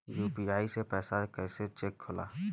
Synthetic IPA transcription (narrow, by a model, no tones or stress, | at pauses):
juːpiaːisepɛːsakɛːset͡ʃeːkʰːʊla̰ː